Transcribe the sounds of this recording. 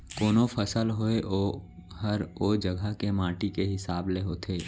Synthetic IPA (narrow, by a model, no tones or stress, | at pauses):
koːnopʰəsəlɦoeʔohəɾoːd͡ʒəɡʱəkemãːʈikeɦɪsaːbleɦoːt̪ʰeː